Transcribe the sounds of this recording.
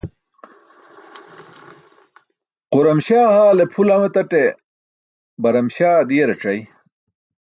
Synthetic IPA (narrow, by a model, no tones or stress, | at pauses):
quɾɐmɕaːhaːlepʰulɐmet̪ɐʈe | bɐɾɐmɕaːd̪iːɾɐʈ͡ʂɐj